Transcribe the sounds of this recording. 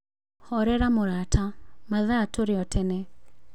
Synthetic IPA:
hɔɾɛɾamoɾatʰamaðaːtoɾɪɔtʰɛnɛ

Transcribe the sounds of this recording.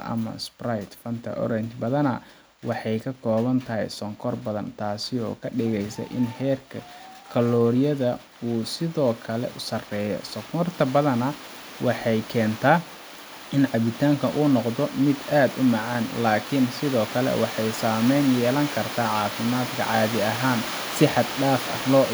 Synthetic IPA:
ɐ̰mɐ̰sprajt̪fɐnt̪ʰɐ̰ʔɔ̰ɾɛnt͡ʃbɐðɐnɐ̰ | wɑħɑjkʰɐkʰɔːβɐnt̪ʰɐɦɛjsɔŋkʰɔrbɐðɐ̰nt̪ʰaːsɪɔ̰ːkʰɐɖɪɣɛjsɐ̰ʔɪnhɛːrkʰɐkʰɐlɔːɾɪjɐðɐ | uːsɪðɔːkʰɐlɛ̰ʔʊsɐrɛːjɔ̰sɔkʰɔrt̪ʰɐbɐðɐnɐ | wʔɑħɑjkʰɛːnt̪ʰaː | ɪnʕɑβɪt̪ʰaːŋkʰɐʔuːnɔqd̪ɔmɪd̪aːd̪ʊmɑʕɑːnlaːkʰɪnsɪðɔːkʰɐlɛ̰wʔɑħɑjsaːmɛjnjɛːlɐŋkʰɐrt̪ʰaːʕɑːfɪmaːd̪kʰɐ̰ʕɑːðɪɐɦaːn | sɪħɑd̪ɖaːfɐ̰hlɔː

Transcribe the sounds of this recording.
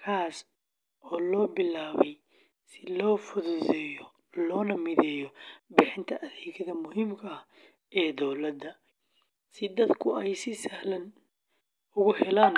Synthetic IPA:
kʰaːs | ʔɔːlɔːbɪlaːβɛj | sɪlɔːfʊðʊːðɛːjɔ | lɔːnɐmɪðɛːjɔbɪħɪnt̪ʰɐʔɐðɛːɣʰɐðɐmʊɦiːmkʰɐɐh | ɛːd̪ɔwlɐd̪ɐ | sɪd̪ɐd̪kʰʊɛjsɪsɐhlɐn | ʊɣʊhɛlaːn

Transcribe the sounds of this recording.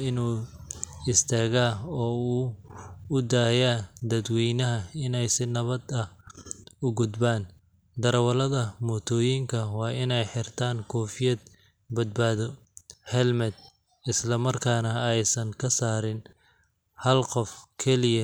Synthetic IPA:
ɪnuː | ɪst̪ʰaːɣaːɔːuːʊd̪aːjaːd̪ɐd̪wɛjnɐɦɐɪnɛjsɪnɐβɐd̪ɐ | ʊɡʊd̪baːn | d̪ɐɾɐwɐlɐðɐmɔːt̪ʰɔːjiŋkʰɐwɑːʔɪnɛjħɪrt̪ʰaːŋkʰɔːfɪjɐd̪̚ | bɐd̪̚baːðɔ | hɛlmɐd̪̚ | ɪslɐmɐrkʰaːnɐɛjsɐŋkʰɐsaːɾɪn | hɐlqɔfkʰɛlɪjɐ

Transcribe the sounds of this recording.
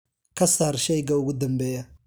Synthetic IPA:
kʰɐsaːrʃɛjɡɐʊɣʊd̪ɐmbɛːjɐ

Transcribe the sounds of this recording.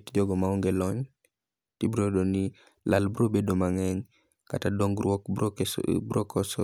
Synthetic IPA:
td͡ʒɔɡɔmaɔŋɡelɔɲ | tibɾodonɪ | lalbɾobedomaŋɛɲ | ka̰tadɔŋɡɔk | bɾɔkʰɔsɔ

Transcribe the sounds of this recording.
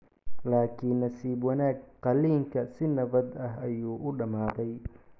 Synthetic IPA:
laːkʰiːnːɐsiːbwɐnaːɡqɑliːŋkʰɐsɪnɐβɐd̪ɐɦɐjuːʔʊɖɐmaːðɛj

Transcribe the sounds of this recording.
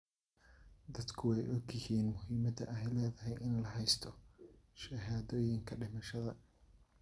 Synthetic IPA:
d̪ɐd̪kʰʊwɛjʔɔɡɪhiːnmʊhiːmɐd̪ɐ̰ʔɐɛjlɛːðɐɦɛjʔɪnlɐhɛjst̪ʰɔʃɐɦaːðɔːjɪŋkʰɐɖɪmɐʃɐðɐ

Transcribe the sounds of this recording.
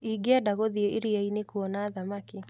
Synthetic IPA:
iɡeadaɣoðiɛʔeɾiainekuɔnaːðamaki

